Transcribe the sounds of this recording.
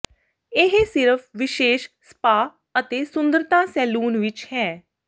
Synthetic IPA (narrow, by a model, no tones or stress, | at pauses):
ɪɦsɪɾəpʰʋɪʃeːʃsə̥paː | ət̪eːsʊ̃nd̪əɾt̪ãːsɛːluːnʋɪt͡ʃhɛː